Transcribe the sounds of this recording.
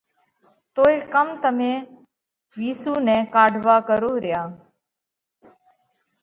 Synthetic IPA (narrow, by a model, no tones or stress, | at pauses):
t̪oːeːkəmt̪əmẽː | ʋiːsuːnɛ̃ːkaːɖʱʋaːkəɾoːɾɪjaː